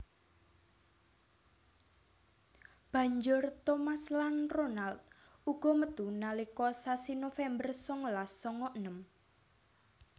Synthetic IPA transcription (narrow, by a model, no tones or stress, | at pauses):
b̥ä̤ɲd͡ʒʊrt̪omaslanronalt̪̚uɡ̥ɔ̤məd̪̥unalikɔsasinofɛmbərsɔŋɔlassɔŋɔʔənəm